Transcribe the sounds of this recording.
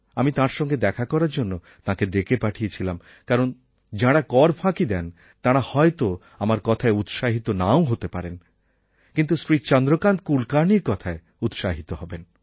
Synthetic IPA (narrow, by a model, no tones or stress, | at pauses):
amit̪ãɾʃɔŋɡed̪ɛkʰakɔɾaɾd͡ʑonːo | t̪ãked̪ekepaʈʰijet͡ɕʰilam | kaɾon | d͡ʑãɽakɔɾbʰʱãkid̪ɛn | t̪ãɽahɔet̪o | amaɾkɔt̪ʰaeut̪ʃaɦit̪onaoɦot̪epaɾen | kint̪usɾit͡ɕɔnd̪ɾokand̪kulkaɾniɾkɔt̪ʰae | ut̪ʃaɦit̪oɦɔben